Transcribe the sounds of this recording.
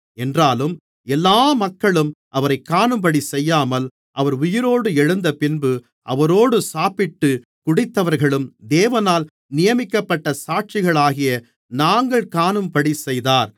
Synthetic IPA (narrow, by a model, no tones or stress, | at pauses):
ɛndraːlɯm | ɛlːaːmɐkːɐɭɯmʔɐʋɐɾɐɪkːaːnɯmpɐɽisɛjːaːmɐl | ʔɐʋɐɾʊjɪɾoːɽɯɛɻɯnd̪ɐpɪnbɯ | ʔɐ̰ʋɐɾoːɽɯsaːpɪʈːɯ | kʊɽɪt̪ːɐʋɐɾɣɐɭɯmd̪eːʋɐnaːl | nɪjɐmɪkːɐpːɐʈːɐsaːʈ̚t͡ʃɪɣɐɭaːɣɪjɐ | naːŋɡɐɭkaːnɯmpɐɽisɛjðaːɾ